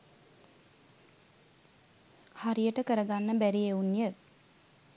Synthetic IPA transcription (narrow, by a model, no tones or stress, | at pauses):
haɾijəʈəkəɾəɡanːəbæɾieunːjə